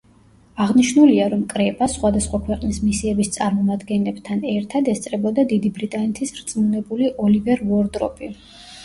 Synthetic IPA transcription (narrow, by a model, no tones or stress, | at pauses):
aʁniʃnuliaɾɔmkʼɾɛpʼasχwad̪asχwakʰwɛqʼnismisiɛbist̪sʼaɾmɔmad̪ɡɛnlɛb̥t̪ʰanɛɾt̪ʰad̪ɛst̪sʼɾɛbɔd̪ad̪id̪ibɾit̪ʼanɛt̪ʰisɾt̪sʼmunɛbuliʔɔlivɛɾvɔɾd̪ɾɔ̰pʼi